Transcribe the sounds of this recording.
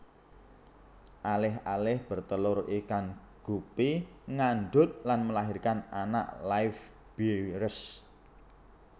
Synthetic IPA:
ʔalɪɦalɪhb̥ə̤rt̪əlʊrikan | ɡ̥upiŋanɖʊt̪̚lanməlaɦirkanana̰ʔlaɪf | b̥iɾəs

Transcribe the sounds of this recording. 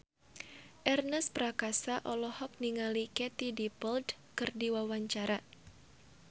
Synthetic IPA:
ʔɛrnəspɾakasaʔɔlɔhɔk̚niŋalikɛt̪idipəld | kɨrdiwawaɲt͡ʃaɾa

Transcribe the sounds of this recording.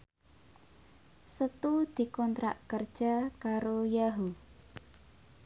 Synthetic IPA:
sət̪ud̪̥i̤kɔnt̪ɾa̰ʔkərd̥ʒ̥a̤kaɾojaɦu

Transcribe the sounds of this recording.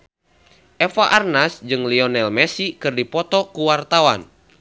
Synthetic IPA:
ʔɛfaʔarnasd͡ʒɨŋliɔnɛlmɛsikɨrdipɔt̪ɔkuwart̪awa̰n

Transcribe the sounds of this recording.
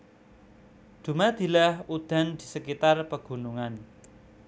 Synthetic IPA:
d̪̥ṳmad̪̥i̤lahud̪̥a̤nd̪̥i̤səkit̪arpəɡ̥ṳnuŋan

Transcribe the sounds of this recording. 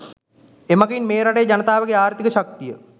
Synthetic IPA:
emaɡinmeːɾaʈejːd͡ʑɐnət̪aːʋəɡeaːrt̪ikəɕak̚t̪ijə

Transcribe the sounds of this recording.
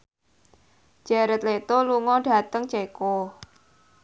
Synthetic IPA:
d͡ʒ̥aɾət̪̚let̪oluŋɔɖ̥a̤t̪əŋt͡ʃeko

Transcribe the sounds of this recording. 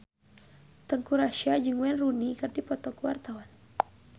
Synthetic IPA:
t̪əŋkuɾaʃiad͡ʒɨŋwɛnrunikɨrdipɔt̪ɔkuwart̪awan

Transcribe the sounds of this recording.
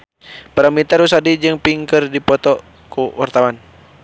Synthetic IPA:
paɾamit̪aɾus̬adid͡ʒɨŋpiŋkɨrdipɔt̪ɔ | kuwart̪awan

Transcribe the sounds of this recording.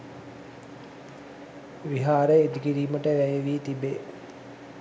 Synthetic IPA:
ʋiɦaːɾəed̪ikiɾiːməʈəʋæjeʋiːt̪ibe

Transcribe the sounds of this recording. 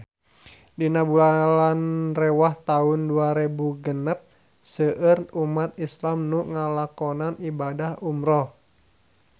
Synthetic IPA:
dinabulalanrɛwaht̪aunduaɾebuɡənəp̚ | səʔərumat̪islamnuŋalakɔnanibadahumɾɔh

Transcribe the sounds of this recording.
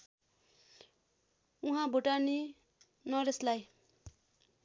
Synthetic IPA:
ũɦãbʱoʈani | nʌɾeslaj

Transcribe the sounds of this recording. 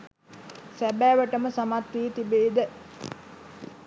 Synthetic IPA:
sæbæːʋəʈəməsamat̪ːiːt̪ibeːd̪ə

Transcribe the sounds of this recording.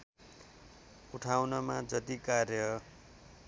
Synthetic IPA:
uʈʰawnʌmad͡zʌt̪ikarjʌ

